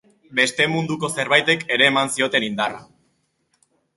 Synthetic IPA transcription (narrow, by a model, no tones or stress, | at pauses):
be̞st̪e̞mund̪uko̞se̞ɾβajt̪e̞ke̞ɾe̞ːmansio̞t̪e̞nind̪ara